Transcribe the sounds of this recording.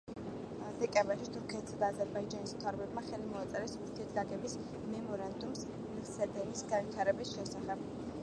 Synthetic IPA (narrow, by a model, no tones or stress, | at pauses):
d̪ɛkʼɛ̃mbɛɾʃit̪ʰuɾkʰɛt̪ʰsad̪aːzɛɾbaid͡ʒanismt̪ʰavɾɔbɛbmaχɛlimɔat̪sʼɛɾɛsuɾt̪ʰiɛt̪ʰɡaɡɛbis | mɛmɔɾand̪ums | niʁsɛd̪ɛnisɡanvit̪ʰaɾɛbisʃɛsaχɛb̥